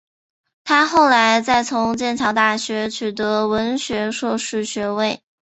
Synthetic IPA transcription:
t̪ʰa˥xo˥˩ʊla˧˥ɪt͡sa˥˩ɪt͡sʰʊ˧˥ŋt͡ɕjɛ˥˩nt͡ɕʰɑ˧˥ʊt̪a˥˩ɕɥɛ˧˥t͡ɕʰy˨˩t̪ɤ˧˥wə˧˥nɕɥɛ˧˥ʂwɔ˥˧ʂɻ̩˥˩ɕɥɛ˧˥we˥˩ɪ

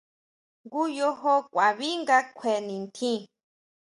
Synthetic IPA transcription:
ŋɡu˦jo˧ɦo˧kʷa˨βi˦ŋɡa˧kʷʰe˨nĩ˨nt̪ʰĩ˦

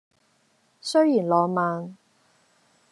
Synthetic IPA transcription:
sɵ˥ɥjiː˨˩nlɔː˨˧maː˨˧n

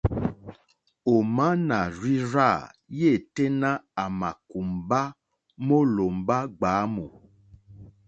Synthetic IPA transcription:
o˨mã˦nã˨ɾi˦ɾa˦˨je˦˨te˦nã˦a˨mã˨ku˨m˨ba˦ | mo˦lo˨m̩˨ba˦ɡ͡ba˨˦mo˨

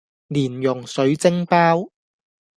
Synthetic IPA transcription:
liː˨˩njʊ˨˩ŋsɵ˨˧˥ɥt͡sɪ˥ŋpaː˥w

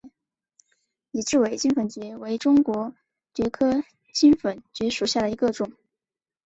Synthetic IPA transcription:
i˨˩ʈ͡ʂɻ̩˥˩we˧˩ɪt͡ɕi˥nfə˧˨˩nt͡ɕɥɛ˧˥we˧˥ɪʈ͡ʂʊ˥ŋkwɔ˧˥ | t͡ɕɥɛ˧˥kʰɤ˥ | t͡ɕi˥nfə˨˩nt͡ɕɥɛ˧˥ʂu˨˩ɕja˥˩d̪ə˩i˧˥ɡə˥˧ʈ͡ʂʊ˨˩˦ŋ

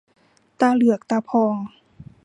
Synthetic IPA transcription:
t̪aː˧lɯ˧˩ək̚t̪a˧˩pʰɔː˧˩ŋ

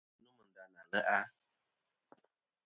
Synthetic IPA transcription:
nu˦mɨ˨n̩˨da˨na˨lə˦ʔa˦

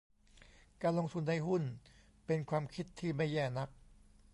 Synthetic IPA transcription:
kaː˧nlo˧ŋt̪ʰu˧nːa˧jhu˥˩n | pe˧nkʰwaː˧mkʰi˦˥t̪ʰːiː˥˩ma˥˩jːɛː˥˩na˦˥k̚

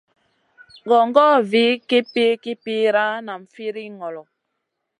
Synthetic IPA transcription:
ɡɔ˨ŋ˦ɡɔ˦vi˨˦ki˦pi˦ki˦pi˦ɾa˦na˨ɱ̩˨fi˦ɾi˦ŋɔ˨lɔ˨

